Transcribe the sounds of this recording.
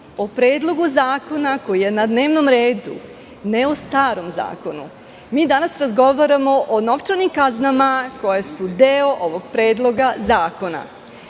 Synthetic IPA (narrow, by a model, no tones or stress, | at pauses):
opɾe̞ːd̪lˠo̞ɡuzaːko̞nako̞jije̞nad̪ne̞ːʋno̞mɾeːd̪u | neost̪aːɾo̞mza̰ːko̞nu | miːd̪anasɾazɡo̞ʋaɾamo̞ʔono̞ʋt͡ʃanimkaznamako̞jesud̪eːoʔo̞ʋo̞ɡ̥pɾe̞ːd̪lˠo̞ɡazaːko̞na̰